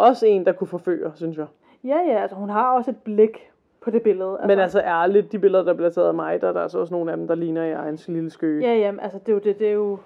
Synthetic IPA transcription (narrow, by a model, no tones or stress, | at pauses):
ʔɒ̽səe̝̰ːnd̥ɑ̈kʰufɒ̽fø̰ːɐsynsjɑ̈ | jæjæælsəhunɦɑ̈ɒ̽se̝d̥̚b̥le̝ɡ̥ | pʰɒ̽d̥e̝b̥e̝ləð̞̩ˠæmenælsɐʔæɐælid̥̚d̥ib̥e̝lðˠɐd̥ɑ̈b̥ʰleɐt͡sʰḛɐðˠmɑ̈ɪd̥ɑɐd̥ɑ̈ælsɒ̽s̬no̝ːn̩æd̥m̩d̥ɑ̈liːnɐiɑ̈ɪn̩sliləsɡ̥øːjæjæmʔælsəd̥e̝jod̥e̝d̥e̝jo̝